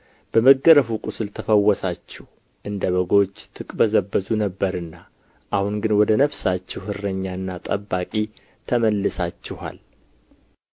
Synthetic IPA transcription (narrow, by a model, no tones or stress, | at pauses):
b̥əməɡːəɾəfukʼusɨlt̪ʰəfəwːɔsat͡ʃːɛh | ʔɨnd̪əβəɡo̞t͡ʃːt̪ʰɨkʼbəzəbːəzunəbːəɾɨnːa | ʔahunɡɨnwɔd̪ənəβsat͡ʃːɛwhɨrːəɲːaɨnːat̪ʼə̰bːakʼi | t̪ʰəməlːɨsat͡ʃːɪha̰l